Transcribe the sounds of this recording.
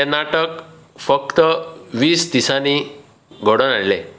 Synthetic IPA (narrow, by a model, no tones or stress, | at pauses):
enaʈək | fəkt̪əʋiːsd̪isani | ɡʱəɽənaɭlẽ